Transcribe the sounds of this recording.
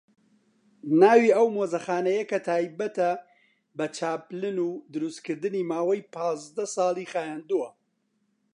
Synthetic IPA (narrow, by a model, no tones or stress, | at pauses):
naːwiɐwmoːzɐxaːnɐjɐkɐt̪ʰaːjbɐt̪ɐ | bɐt͡ʃʰaːplɨnuːd̪ɨɾust̪kʰɨɾd̪ɨniːmaːwɐjpʰɑːzd̪ɐsɑːlˠiːxaːjaːnd̪uwɐ